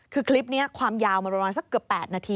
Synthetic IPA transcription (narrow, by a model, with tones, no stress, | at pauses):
kʰɯː˧kʰli˦˥p̚ni˦˥ɐkʰwaː˧mjaː˧wma˧nɾa˧maː˧nsa˧˥kːɯ˨˩əpːɛː˨˩t̪̚naː˧t̪ʰiː˧